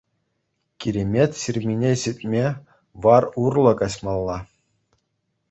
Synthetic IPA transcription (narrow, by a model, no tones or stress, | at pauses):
kʲiɾʲemʲetʲɕirʲmʲinʲeɕɘtʲmʲe | ʋɑrurlˠɤ̆kɑɕmɑlˠːɑ